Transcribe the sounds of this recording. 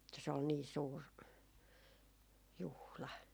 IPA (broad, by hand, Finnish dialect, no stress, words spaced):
etːæ se ol niː suːr juhlɑ